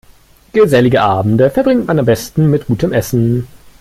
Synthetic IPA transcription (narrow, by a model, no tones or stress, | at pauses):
ɡ̥əzɛlɪɡəʔaːbm̩dəfɛɐbʁɪŋtmanambɛstn̩mɪt̚ɡ̥uːtʰəmʔɛsn̩